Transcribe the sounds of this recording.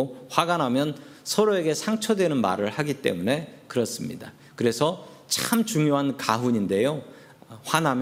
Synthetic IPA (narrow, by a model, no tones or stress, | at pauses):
oɸwaɡanɦamjʌnsʰʌɾoe̞ɡe̞sʰaŋt͡ɕʰʌdwe̞nɯnma̰ɾɯɭhaɡit͈e̞̰mune̞kɯɾʌs͈ɯmɲḭda | kɯɾe̞sʰʌ | t͡ɕamt͡ɕuŋjoɦankaɦuɲinde̞jo | ɸwanɦam